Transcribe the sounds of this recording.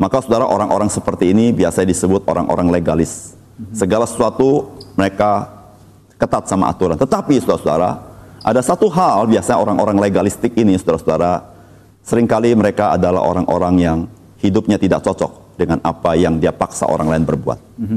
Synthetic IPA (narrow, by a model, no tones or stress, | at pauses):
makasudaɾaʔoɾaŋʔoɾaŋsəpərt̪iːnibiasaɲadisəbʊt̪̚oɾaŋʔo̰ɾaŋleɡalɪsː | əɡalasə̥suat̪uməɾeka | kət̪at̪̚sama̰ʔa̰t̪uɾant̪ət̪apisudaɾasuda̰ɾa̰ʔadasat̪uɦalbiasaɲaoɾaŋʔoɾaŋleɪɡalist̪ɪkinisudaɾasudaɾa | səɾɪŋkaliməɾekaa̰dala̰ɦo̰ɾaŋʔo̰ɾaŋjaŋ | hidʊp̚ɲat̪idak̚t͡ʃɔt͡ʃɔ̰k̚ | dəŋanapajaŋdiapaksa̰ʔo̰ɾaŋlaɪnbərbua̰t̪̚